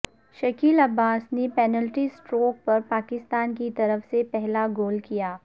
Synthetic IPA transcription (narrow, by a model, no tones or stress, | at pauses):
ʃɐkiːlɐbːaːsnepɛːnəlʈisʈɾoːk̚pɐɾpaːkɪst̪aːnkit̪ɐɾəfsepɛɦlaɡoːlkijaː